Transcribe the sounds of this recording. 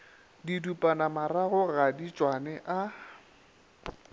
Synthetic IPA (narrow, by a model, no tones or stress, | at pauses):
didupʼanamaraɣʊɣadit͡ʃʼwanɛʔa